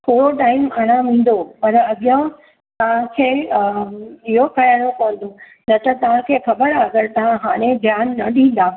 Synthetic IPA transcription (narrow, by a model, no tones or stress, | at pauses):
t̪ʰoːɽoʈaːɪmaːɽ̃ãʋĩːn̆d̪opɐɾɐɠjã | t̪ɐʋ̤ãkʰeː | iɦokɐjaɽ̃okɐʋə̃n̆d̪o | nɐt̪ɐt̪ɐʋ̤ãkʰeːxɐbəɾaɡəɾt̪ɐʋ̤ãɦaːɽ̃ẽbʱjaːnːɐɗĩːn̆d̪aː